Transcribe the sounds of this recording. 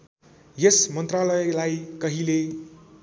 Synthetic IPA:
jesmʌnt̪ralʌjelajkʌɦile

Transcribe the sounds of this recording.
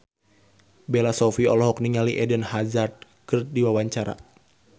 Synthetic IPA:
bɛlasɔfiɔlɔɦɔk̚niŋaliʔɛdənhazard̪̚ | kɨrdiwawaɲt͡ʃaɾa̰

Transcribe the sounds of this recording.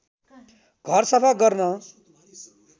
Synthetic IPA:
ɡʱʌrsʌpʰaɡʌrnʌ

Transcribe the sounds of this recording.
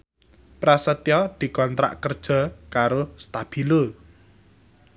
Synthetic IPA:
pɾasət̪iɔd̪̥i̤kɔnt̪ɾa̰ʔkərd̥ʒ̥ɔ̤kaɾost̪ab̥ilu

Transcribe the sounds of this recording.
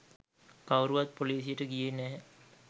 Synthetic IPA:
kawɾuʋat̪̚poliːs̬ijəʈəɡijenɛː

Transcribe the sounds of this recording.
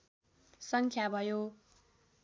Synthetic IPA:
sʌŋkʰjabʱʌjo

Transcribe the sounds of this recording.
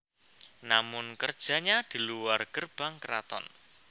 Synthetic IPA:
namʊnkərd̥ʒ̥a̤ɲad̪̥i̤luwarɡ̥ərb̥a̤ŋkəɾa̰t̪ɔ̰n

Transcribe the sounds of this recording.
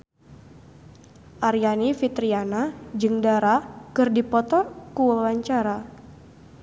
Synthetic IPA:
ʔaɾjanifit̪ɾianad͡ʒɨŋdaɾakɨrdipɔt̪ɔkuwəwaɲt͡ʃaɾa

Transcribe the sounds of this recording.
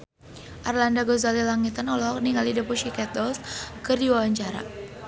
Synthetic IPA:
ʔarlandaɡɔzalilaŋit̪anɔlɔɦɔkniŋalidəpuʃikɛt̪̚ɔlskərdiwawaɲt͡ʃaɾa̰

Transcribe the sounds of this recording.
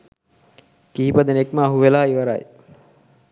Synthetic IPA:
kiːpəd̪ənekməːɦuʋelaːiʋɐɾa̰j

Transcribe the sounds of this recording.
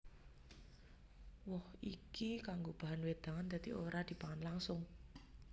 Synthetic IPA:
wɔhikikaŋɡob̥a̤ɦanwed̪̥a̤ŋand̪a̤d̪̥ioɾad̪̥i̤paŋanlaŋsʊŋ

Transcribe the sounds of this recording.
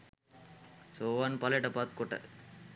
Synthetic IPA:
soːʋanpɐleʈɐpat̪̚koʈə̰

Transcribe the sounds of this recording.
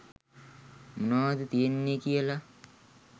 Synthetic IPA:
munaːd̪et̪ijenːekijəla

